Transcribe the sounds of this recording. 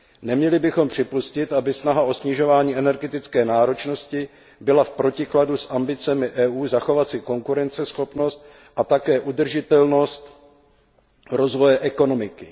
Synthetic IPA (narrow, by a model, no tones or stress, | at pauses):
nɛmɲɛlɪbɪxo̞mpr̝̥ɪpuscɪt̪ʔabɪsnaɦaʔo̞sɲɪʒo̞vaːɲiːʔɛnɛɾɡɛt̪ɪt͡skɛːnaːɾo̞t͡ʃno̞scɪ | bɪlafpɾo̞cɪkladusʔambɪt͡sɛmɪʔɛːʔuːzaxo̞vat̪t͡sɪko̞ŋkuɾɛnt͡sɛsxo̞pno̞st̪̚ | ʔat̪akɛːʔud̪r̩ʒɪt̪ɛlno̞st̪ | ɾo̞zvo̞jɛʔɛko̞no̞mɪkɪ